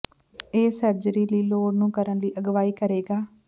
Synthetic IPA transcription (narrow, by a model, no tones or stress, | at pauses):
eːsəɾd͡ʒəɾiːliːloːɖnũːkəɾənliːʔəɡʋaːiːkəɾeːɡaː